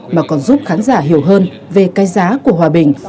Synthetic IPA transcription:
maː˨˩kɔ˨˦nzu˦˥p̚xaː˨˦nzaː˧˩ɦi˧˩əwɦəː˧n | ve˨˩kaː˧jzaː˨˦ku˧˩əɦwaː˨˩ɓï˨˩ŋ̟

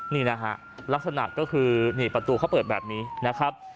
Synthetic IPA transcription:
niː˥˩na˦˥kʰa̰˦˥ʔ | la˦˥k̚sa˧na̰˨˩kɔː˥˩kʰɯː˧niː˥˩pɾa˧t̪uː˧kʰa˦˥˩wpɤː˨˩bɛː˨˩p̚niː˦˥na˦˥kʰɾa˦˥p̚

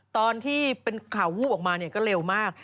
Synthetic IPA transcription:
t̪ɔː˧nt̪ʰiː˥˩pe˧nkʰa˩˦wuː˥˩ʔɔː˨˩k̚maː˧ni˥˩ɐkɔː˥˩ɾe˧wmaː˥˩k̚

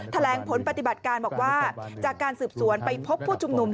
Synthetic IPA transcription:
t̪ʰa˧lɛː˩˦ŋpʰo˩˦npa˧t̪i˨˩ba˨˩t̪̚kaː˧nbɔː˨˩k̚waː˥˩t͡ɕaː˨˩kːaː˧nsɯː˨˩p̚su˩˦ənpa˧jpʰo˦˥pʰːuː˥˩t͡ɕʰu˧mnu˧m

